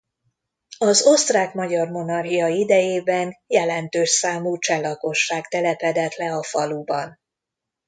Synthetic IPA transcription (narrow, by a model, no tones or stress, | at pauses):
ɒzo̞st̪raːkmɒɟɒrmo̞nɒrɦijɒid̪ɛjeːbɛnjɛlɛnt̪øːʃsaːmuːt͡ʃɛlːɒko̞ʃːaːkt̪ɛlɛpɛd̪ɛt̪lɛɒfɒlubɒn